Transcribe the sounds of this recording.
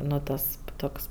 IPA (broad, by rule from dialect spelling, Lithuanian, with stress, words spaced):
ˈnʊ tɐs ˈtoːks